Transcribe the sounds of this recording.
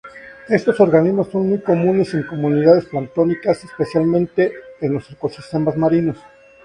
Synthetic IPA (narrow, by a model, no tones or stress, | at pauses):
e̞st̪o̞so̞ɾɣanizmosːo̞nmujko̞mũne̞se̞ŋko̞mũniðaðe̞splant̪o̞nikasespe̞sjalmẽnt̪e̞ːnlo̞seɾko̞sist̪e̞mazmaɾino̞s